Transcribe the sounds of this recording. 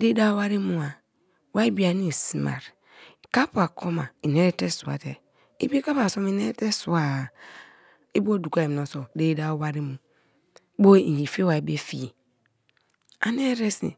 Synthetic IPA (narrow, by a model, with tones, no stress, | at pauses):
de˦da˦wa˦ɾi˦mu˦a˨ | wa˦i˦bi˦a˨ni˦˨si˦ma̰˨ɾ | ka˦pu˨a˨kʰo˦ma˨i˨n˨e˦ɾe˦te˦su˨a̰˨te˨ | ḭ˦be˦ka˦pa˨so˦mi˨ne˦te˦su˨a˨ | i˦bo˦du˨ka˦˨m˨no˨so˨de˦da˦wa˦ɾi˦mu˨˦ | bo˦i˨d͡ʒi˨fe˦wa˨i˨be˦fi˦˨ | a˦n˦e˦ɾe˦sḭ˨